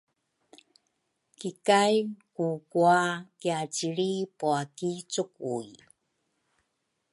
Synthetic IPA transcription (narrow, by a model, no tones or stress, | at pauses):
kikajkukuakiat͡ɕiɾipuakit͡sukuj